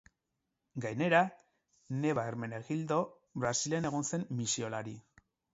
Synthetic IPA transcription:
ɡajne̞ɾa | ne̞βaeɾme̞neɣild̪o̞ | βɾasilene̞ɣ̞o̞nse̞mːisio̞laɾi

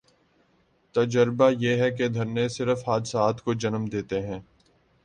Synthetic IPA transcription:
t̪ɐd͡ʒəɾbajeːɦɛk̬ed̪ʱɐɾnesɪɾəfɦaːd̪ɪsaːt̪ʰkod͡ʒɐnmd̪eːt̪eɦɛ̃ː

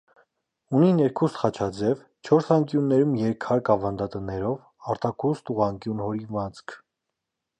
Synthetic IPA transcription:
uninɛɾkʰust̪χɑt͡ʃʰɑd͡zɛv | t͡ʃʰɔɾsɑŋkjunːɛɾumjɛɾkʰɑɾkɑvɑnd̪ɑt̪ənɛɾɔv | ɑɾt̪ɑkʰust̪uʁɑŋkjunhɔɾivɑt͡sʰkʰ

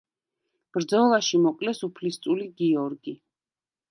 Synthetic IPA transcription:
b̥ɾd̪zɔlˠaʃimɔqʼlɛsupʰlist̪sʼuliɡiɔɾɡi

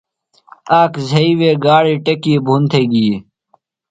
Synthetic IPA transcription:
aːkzʱɐiːweːɡaːɽiːʈekiːbʱunt̪ʰeɡiː

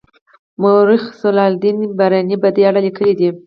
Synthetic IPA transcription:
moɾixsolɑld̪inbaɾanibad̪eaɽalikəlid̪i

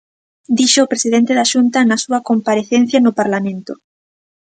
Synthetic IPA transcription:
d̪iʃoopɾesiðent̪eðaʃunt̪ɐnɐsuɐkompaɾeθen̟θjɐnʊpaɾlamẽnt̪ʊ̰

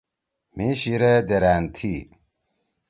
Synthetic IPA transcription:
miɕiɾed̪eɾaːnt̪ʰi

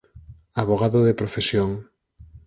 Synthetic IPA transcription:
aβoɣ̞aðoðepɾofesjoŋ

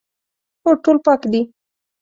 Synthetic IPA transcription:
oʈolpɑkd̪i

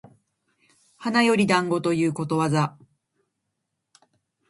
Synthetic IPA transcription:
hanajo̞ɾʲid̪ãŋɡo̞t̪o̞jɯ̟ːko̞t̪o̞βaza

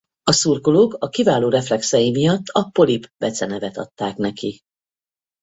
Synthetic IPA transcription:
ɒsurkoloːkɒkivaːloːɾɛflɛksɛjimijɒt̪ːɒpo̞libbɛt̪sɛnɛvɛt̪ɒ̰t̪ːaːknɛki

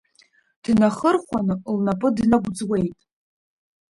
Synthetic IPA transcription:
d̥naχərχʷanɨlnapʼɨdnaɡʷd͡zwe̞jtʼ

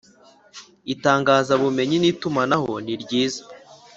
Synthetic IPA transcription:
itaːŋɡaːzaβume̞ɲiniːtumanaho̞niɾɟiːzḁ

